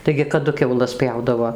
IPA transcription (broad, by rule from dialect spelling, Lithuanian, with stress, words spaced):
tɐɪɡʲɪ kɐˈdʊ kʲɛʊˈlˠɐs ˈpʲjɛʊdɐʋoː